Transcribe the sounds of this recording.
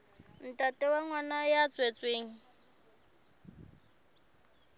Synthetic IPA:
n̩tʼatʼɛwaŋwanajat͡sʼwet͡sʼweːŋ̩

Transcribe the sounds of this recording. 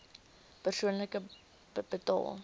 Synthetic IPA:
pərsuənləkə | b̥ətɑ̰lˠ

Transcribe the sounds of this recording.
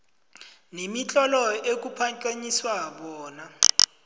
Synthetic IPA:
nemit͡ɬʼɔlɔek̬upʰaŋkʼeɲiswaɓɔːna

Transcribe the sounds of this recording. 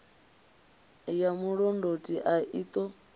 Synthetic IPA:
jamuɺɔndotʼiʔaʔit̪ʼɔ

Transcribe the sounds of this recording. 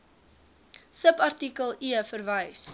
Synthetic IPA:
səpɐrtikəlˠiəfərvəjs

